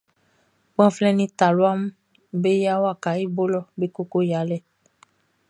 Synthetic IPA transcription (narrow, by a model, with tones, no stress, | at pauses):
k͡pã˦flɛ̃˧nĩ˧ta˨lu˨˦a˦mũ˦ | be˦ja˦wa˦˨ka˨˦i˦˨bo˦lɔ˦˨be˦ko˦ko˦ja˨˦lɛ˦˨